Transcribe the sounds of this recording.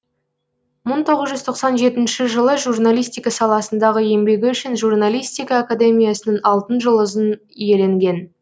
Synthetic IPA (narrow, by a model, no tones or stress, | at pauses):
məɴt̪ʰo̞ʁəzʒʏzt̪ʰo̞qsɑnʒe̞t̪ɪnʃɪʒəlˠəʒurnalʲijst̪ijkɑsɑlˠɑsənd̪ɑʁəje̞mbe̞ɡʲɪʏʃɪnʒurnalʲijst̪ijkɑːkad̪e̞mʲijasənəɴɑlˠt̪ənʒəlˠʊzən | ije̞le̞ŋɡʲe̞n